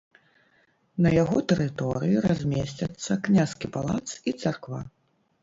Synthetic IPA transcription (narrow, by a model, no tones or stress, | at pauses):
nɐjaɣɔt̪ɛɾɨt̪ɔɾɨjiɾazʲmʲesʲt͡sʲɐt̪sːɐknʲaskʲipalˠat̪sit̪sarkva̰